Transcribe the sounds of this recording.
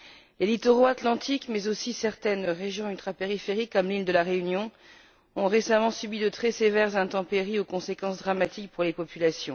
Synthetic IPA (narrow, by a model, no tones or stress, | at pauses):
lelit̪oʁoat̪lɑ̃t̪ʰikmɛzosisɛʁt̪ɛnʁeʒjɔ̃ylt̪χapeʁifeʁikːɔmlild̪əlaʁeynjɔ̃ | ɔ̃ʁesamɑ̃sɥybid̪ət̪χɛsevɛʁzɛ̃t̪ɑ̃peʁiokɔ̃sekɑ̃sd̪ʁamat̪ʰik̚puʁlepɔpylasjɔ̃